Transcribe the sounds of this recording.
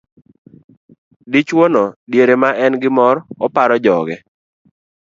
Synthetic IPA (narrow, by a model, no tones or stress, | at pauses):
dit͡ʃwonɔdjeɾemaʔɛnɡɪmɔɾɔpaɾɔd͡ʒɔɡɛ